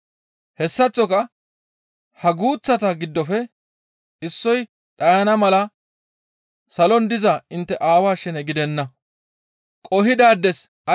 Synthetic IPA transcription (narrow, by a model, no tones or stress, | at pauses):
hɛsːɐt͡sːɔkɐ | hɐɡuːt͡sːɐt̪ɐɡɪd̪ːɔfɛ | ɪsːɔj | ᶑʼɐjɐnɐmɐlɐ | sɐlɔnd̪ɪzɐɪnt̪ːɛʔaːwaːʃɛnɛɡɪd̪ɛnːɐ | kʼɔɦɪd̪aːd̪ːɛs | ɐ